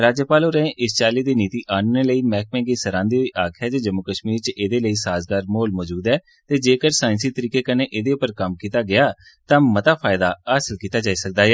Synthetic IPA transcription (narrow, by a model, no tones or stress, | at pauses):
ɾaːd͡ʒjəpaːloːɾɛẽːʔɪst͡ʃaːliːd̪iːniːt̪iːʔaːnneːləiːmɛːk̚mɛ̃ːɡiːsəɾãːnd̪iːɦoiːʔaːkʰɛːd͡ʒed͡ʒəmːʊkəʃmiːɾt͡ʃeːd̪eːləiːsaːzɡaːɾmoːlmɔːd͡ʒuːd̪ɛː | t̪eːd͡ʒeːkəɾsaːɪ̃nsiːt̪əɾiːkeːkəneːʔed̪eːʊpəɾkəmkiːt̪aːɡɪaː | t̪ãːmət̪aːpʰaːɪd̪aːaːsəlkiːt̪aːd͡ʒaːiːsək̚d̪aːɛː